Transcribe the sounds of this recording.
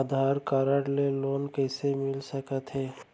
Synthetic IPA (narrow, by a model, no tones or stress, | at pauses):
əd̪ʱaːɾkaːɾəɽleloːnkəɪsemɪlsəkət̪ɦɛː